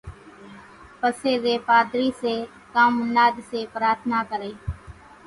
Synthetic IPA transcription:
pəseːd̪eːpaːd̪ɾiːseː | kaːmʊnaːd̪seːpɾaːɾt̪ʰnaːkəɾeː

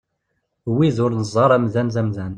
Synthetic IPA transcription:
wiðʊɾnəzˤɑɾˤæmðænzæmðæn

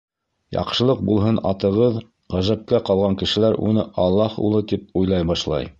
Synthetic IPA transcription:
jɑ̰qʃɤ̆lˠɤq̚bulˠɦɤnɑt̪ɤ̆ʁɤð | ʁæʒæp̚kæqɑlˠʁɑŋkɘ̆ʃɘ̆læɾṵnɤʔɑlˠːɑhṵlˠɤt̪ip̚ujlˠɑjbɑʃlˠɑ̰j

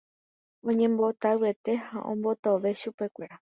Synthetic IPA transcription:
õ̞ɲẽ̞mbo̞t̪awɨe̞t̪e̞haʔõ̰mbo̞t̪oʋe̞ʃupe̞kʷe̞ɾa

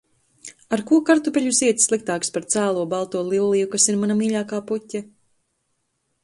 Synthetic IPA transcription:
aɾkuɔkaɾt̪upʲɛʎʲusiɛt̪sːlˠik̚t̪aːkspaɾt̪saːlˠuɔbalˠt̪uɔlˠilˠlijukasiɾmanamiːʎʲaːkaːputʲːa

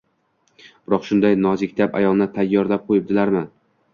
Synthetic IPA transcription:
b̥ɪɾɒqʃʊnd̪ajnɒzɪkʲt̪ʰapa̰jɒlˠnɪt̪ʰajːɒɾlap̚qʰojɪp̚d̪ɪlaɾmɪ

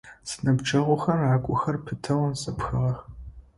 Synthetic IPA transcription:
sɨ̥nɐbd͡ʒt͡ʃʰʼɐʁʷʊxɐrʕakʷʼʊxɐrpʰɨtʰɐwɐnsɐpxɨʁɐx

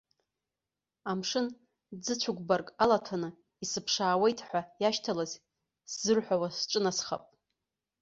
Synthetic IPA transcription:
amʂɨn | d͡zɨt͡ɕʷʰʊɡʷbarkʼalatʰanɨ | isɨpʰʂaːwejtʰʼħʷajaʃtʰalaz | szɨrħʷawasʈ͡ʂʼɨnasχa̰pʼ

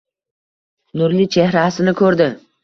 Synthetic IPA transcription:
nʊɾlit͡ʃʰehɾasɪnɪkʰɵɾd̪ɪ

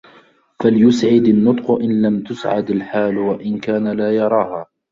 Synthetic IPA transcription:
faljʊsʕɪd̪anːʊt̪ˤqʊʔɪnlamt̪ʊsʕa̰d̪alħaːlwaʔɪnkaːnalaːjɑɾˤɑːhaː

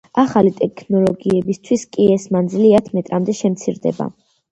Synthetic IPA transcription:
aχalit̪ʼɛkʰnɔlˠɔɡiɛbist̪ʰwiskʼiɛsmand̪ziliat̪ʰmɛt̪ʼɾamd̪ɛʃɛmt̪sʰiɾd̪ɛ̰ba̰

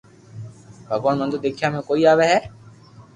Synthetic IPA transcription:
bʱəɡoːɳmənd̪ud̪eːkʰijaːmẽːkoːiːaːʋeɦɛː

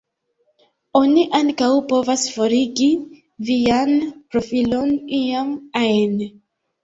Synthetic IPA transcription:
o̞niʔaŋkawpo̞vasfoɾiɡi | vianpɾo̞filo̞nijamaen

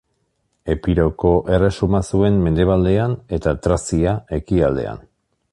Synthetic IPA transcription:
e̞piɾo̞ko̞ʔe̞re̞sumasue̞mːe̞nd̪e̞β̞ald̪e̞ane̞t̪at̪ɾasiae̞kiald̪e̞̰a̰n

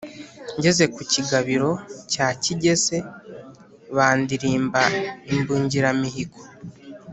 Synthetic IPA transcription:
ɲɟe̞ze̞kuciɡaβiɾo̞caːciɟe̞ze̞ | βaːndiɾiːmbaimbuːɲɟiɾamiɦiko̥

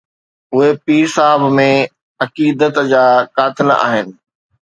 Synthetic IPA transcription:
ʊɦepiːɾsaːɦəbmẽ | ɐkiːd̪ət̪d͡ʑaːkaːt̪ɪla̰ːɦɪnɪ̆

